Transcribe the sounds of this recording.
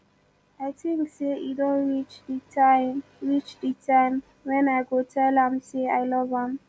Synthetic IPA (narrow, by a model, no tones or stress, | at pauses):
aɪtĩŋkseidõnɹit͡ʃditaɪɹit͡ʃditʰãɪm | wɛ̃naɪɡotʰɛlãmseaɪlɔvãm